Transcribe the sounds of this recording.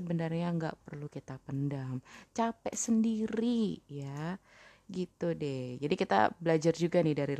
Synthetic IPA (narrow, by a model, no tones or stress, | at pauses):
əbənarɲaəŋɡa̰ʔpərlukit̪apəndaŋt͡ʃapɛʔsəndiɾija | ɡit̪udɛd͡ʒadikit̪a̰bəlad͡ʒard͡ʒuɡanɪhdaɾil